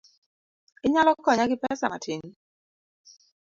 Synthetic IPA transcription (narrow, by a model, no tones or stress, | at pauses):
ɪɲalɔkɔɲaɡɪpɛsa̰ma̰tʰɪɲ